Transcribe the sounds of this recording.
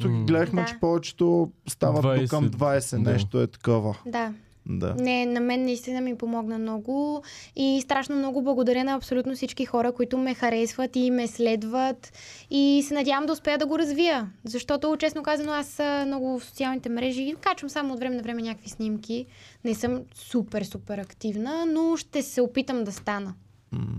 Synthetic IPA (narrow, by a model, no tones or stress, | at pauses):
t̪ukiɡlɛd̪əxmɛt͡ʃɛ̥pɔvɛt͡ʃɛ̥t̪ost̪avət̪ukːəmd̪vajsɛnɛʃt̪oɛt̪ɐ̥kɔvəd̪a | d̪a̰nɛnɐmɛnːɐist̪inəmipomɔɡnɐmnɔɡʊist̪ɾaʃnomnɔɡʊblˠɐɡod̪ɐɾʲjənɐːpsolʲut̪nosit͡ʃkixɔɾəkoit̪ʊmɛxɐɾɛsvət̪imɛslɛd̪vət̪isɛnɐd̪ʲavəmd̪ɐʊspɛjəd̪ɐɡoɾɐzvijəzɐʃt̪ɔt̪ot͡ʃɛsnokazvɐnoasəmnɔɡʊfso̥t̪sialˠnit̪ɛmɾɛʒikat͡ʃvəmsamoːt̪vɾɛmɛnɐvɾɛmɛnʲɲʲakəkvisnimkʲinɛsɤmsupɛɾsupɛɾɐkt̪ivnənoʃt̪ɛsɛopit̪əmd̪ɐst̪anə